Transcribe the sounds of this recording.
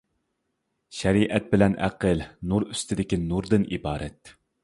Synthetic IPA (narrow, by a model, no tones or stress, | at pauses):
ʃɛɾiʔɛt̪̚bɪlɛnʔæ̰qʰəlnuɾyst̪ʰɪd̪ɪkʲinuɾd̪ɨnʔibɑːɾɛt̪